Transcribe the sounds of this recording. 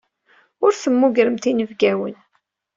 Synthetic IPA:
ʊɾθəmːʊʝɾəmt̪inəvɡæwən

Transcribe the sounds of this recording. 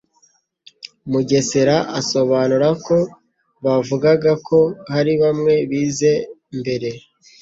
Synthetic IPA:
muɟe̞se̞ɾaʔaso̞βaːnuɾako̞ | βavuɡaɡakʰo̞haɾiβamŋe̞βiːze̞mbe̞ɾe̞

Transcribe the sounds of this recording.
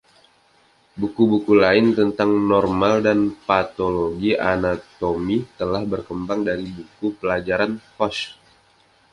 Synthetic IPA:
bukubukulaɪnt̪ənt̪aŋnɔrmaldanpat̪oloɡianat̪omit̪əlahbərkəmbaŋdaɾibukupəlad͡ʒaɾanfɔʃ

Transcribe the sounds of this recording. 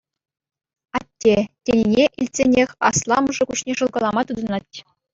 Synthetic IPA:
ɑtʲːetʲenʲinʲeʔilʲtʲsʲenʲexʲɑslˠɑmɤ̆ʐɤ̆kuɕnʲeʐɤ̆lˠɡɑ̆lˠɑmɑt̪ud̪ɤ̆nɑtʲ

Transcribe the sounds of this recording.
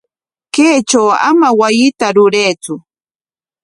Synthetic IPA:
keːt͡ʃawa̰mawajɪt̪aɾʊɾejt͡sʊ

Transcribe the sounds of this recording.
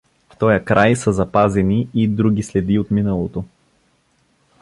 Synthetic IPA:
ft̪ɔjəkɾʔajsəzɐpazɛniːd̪ɾuɡʲislɛd̪iot̪minəlˠot̪o

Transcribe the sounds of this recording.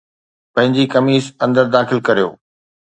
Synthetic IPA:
pɐ̃ɦɪ̃ɲd͡ʑikɐmiːsɐ̃nd̪əɾd̪aːxɪlkɐɾijo̰ː

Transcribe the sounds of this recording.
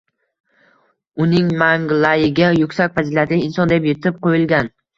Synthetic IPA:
ʊnɪŋmaŋɡlˠajɪɡʲajʊkʲsakʲfazilat̪ʰɪɪnsɒnd̪epjet̪ʰɪp̚qojɪlˠɡʲan

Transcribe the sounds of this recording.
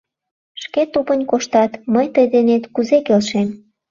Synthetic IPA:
ʃket̪upənʲkoʃt̪ɑt̪məjt̪əjd̪enet̪kuzekelʃem

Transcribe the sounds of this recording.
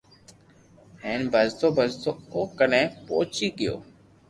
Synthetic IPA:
heːnbəzt̪oːbəzt̪oːoːkənẽːpo̰ːt͡ʃiːɡɪjo̰ː

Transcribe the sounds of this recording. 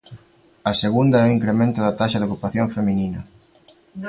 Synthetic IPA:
ɐseɣund̪ɐɛiŋkɾemẽnt̪ʊðɐt̪aʃɐðokupaθjõɱfemĩninɐ

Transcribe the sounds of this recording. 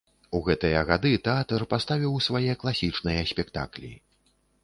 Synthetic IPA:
uɣɛt̪ɨjɐɣad̪ɨt̪ɛat̪ɐrpast̪avʲiwsvajɛklˠasʲit͡ʂnɨjɐsʲpʲɛkt̪a̰klʲḭ

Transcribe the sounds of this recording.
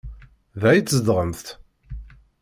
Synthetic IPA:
ðæjt͡sːzəd̪ʁəmθt̪

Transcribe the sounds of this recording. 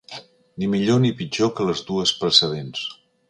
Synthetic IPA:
nimiʎonipid͡ʒokələzðuəspɾəsəðens

